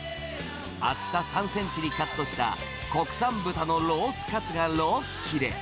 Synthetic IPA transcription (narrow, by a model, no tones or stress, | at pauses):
a̰t͡sɨ̥t̪asãɰ̃sẽ̞ɲ̟t͡ɕiɾʲikat̪ːo̞ɕi̥t̪a̰ | ko̞kɯ̟̥sãmbɯ̟t̪ano̞ɾo̞ːsɨ̥kat͡sɨɡaɾo | kʲʰːiɾe̞̰